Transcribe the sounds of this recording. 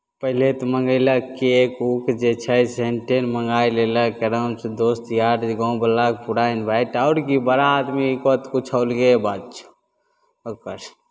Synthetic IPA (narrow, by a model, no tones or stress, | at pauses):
pəɦilet̪məŋɡəɪləkiekukd͡ʒet͡ʃʰəseɳʈenməŋɡaileləkeɾəsd̪ost̪jaːʈɡɔ̃ũbəlak̚puɽainbʱaiʈaʊɾkibəɾaːd̪mikot̪kut͡ʃʰaʊlɡebad̪̚t͡ʃʰu̥ | okəɾ